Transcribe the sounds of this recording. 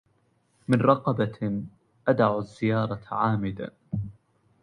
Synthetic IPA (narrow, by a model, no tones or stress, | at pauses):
mɪnɾˤɑqɑba | ʔad̪aʕzːɪjɑːɾˤɑʕaːmɪd̪a̰